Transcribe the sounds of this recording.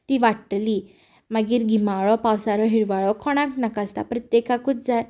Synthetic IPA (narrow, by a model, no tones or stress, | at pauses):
t̪iʋaʈli | maɡiːɾɡʱimaɭɔpawsaɾɔɦiɽʋaɭɔkʰɔɽ̃ãknakast̪a̰pɾət̪jekakut͡sd͡zaj